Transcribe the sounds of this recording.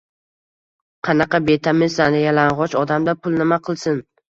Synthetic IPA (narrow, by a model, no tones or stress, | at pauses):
qʰɑnɑqɑbe̞t̪ʰamɪnzanɪjalanʁɒt͡ʃɒd̪amd̪apʰʊlˠnɪmaqʰɨlˠsɪn